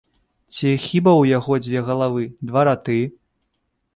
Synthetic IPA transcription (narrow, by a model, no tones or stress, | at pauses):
t͡sʲixʲibɐwjaɣɔd͡zʲvʲɛɣɐlˠavɨd̪vaɾat̪ɨ